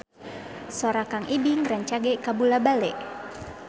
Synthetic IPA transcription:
soɾakaŋʔibiŋraɲt͡ʃaɡɛkabulabalɛ̰ʔ

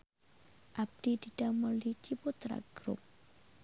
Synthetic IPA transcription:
ʔab̚d̪id̪idamɔlikiput̪ɾa̰ɡ̥ɾṵp̚

